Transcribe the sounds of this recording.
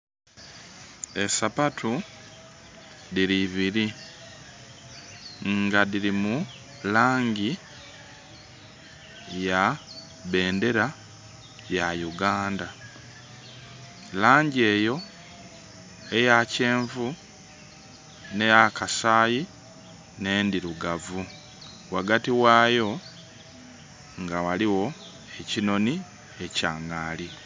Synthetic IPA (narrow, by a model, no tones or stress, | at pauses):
e̞sapatʰu | ðiɾiβiɾi | ŋɡaðiɾimu | laːɲɟi | ja | βe̞ːnde̞ɾa | jajuɡaːnda | laːɲɟe̞ːjo̞ | e̞jace̞ːɱvu | nejakasaːji | ne̞ːndiɾuɡavu | waɡatiwaːjo̞ | ŋɡawaliwo̞ | e̞cino̞ni | e̞caːŋaːli